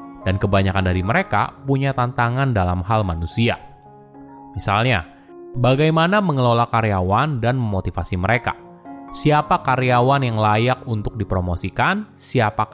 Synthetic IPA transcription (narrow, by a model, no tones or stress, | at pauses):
dankəbaɲakandaɾiməɾeka̰puɲat̪ant̪aŋandalamɦalmanusia | misalɲa | baɡajmanaməŋəlolakaɾeawandanməmot̪ifasiməɾeka̰ | siapakaɾeawanjaŋlajakunt̪ʊk̚dipɾomosikan | siapa